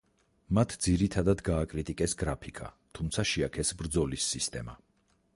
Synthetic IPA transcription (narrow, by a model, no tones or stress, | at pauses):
mat̪ʰd̪ziɾit̪ʰad̪ad̪ɡaːkʼɾit̪ʼikʼɛsɡɾapʰikʰa̰t̪ʰumt̪sʰaʃiakʰɛsbɾd̪zɔlisːist̪ʼɛma̰